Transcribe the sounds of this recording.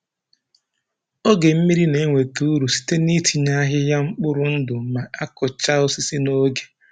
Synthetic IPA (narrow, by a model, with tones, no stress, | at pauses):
o˦ɡe˨m̩˦mi˦ɾi˦ne˨˦ŋʷe˨tu˦˨˦ɾu˨si̥˨te˦ni˦tʰi˨ɲa˦ɦɪ˦ja˦ŋ͡m̩˦k͡pʊ˦ɾʊ˨n̩˦dʊ˨ma˨a˦kʊ˨t͡ʃa˦o˦si˦si˦no˦ɡe̥˨